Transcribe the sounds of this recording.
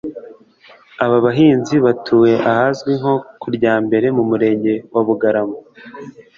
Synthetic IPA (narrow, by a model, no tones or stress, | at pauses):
aβaβaɦiːnziβatʰuːwe̞ʔahazɡwiŋho̞kuɾɟaːmbe̞ɾe̞mumuɾe̞ːɲɟe̞wʔaβuɡaɾamo